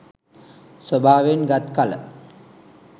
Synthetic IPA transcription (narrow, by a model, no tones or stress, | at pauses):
səbʱaːʋenɡat̪kalə